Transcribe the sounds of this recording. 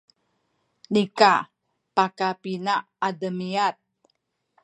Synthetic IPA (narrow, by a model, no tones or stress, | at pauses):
nika | pakapina | adəmiat̪̚